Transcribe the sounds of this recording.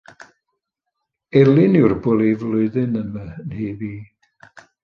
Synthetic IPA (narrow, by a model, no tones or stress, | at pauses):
ɛlˠɪnʊrbɔlˠivlˠʊɨðɪnəmənhiːviː